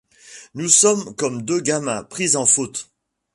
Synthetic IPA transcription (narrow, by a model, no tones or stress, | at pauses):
nusɔmkɔmd̪øɡamɛ̃pχizɑ̃fot̪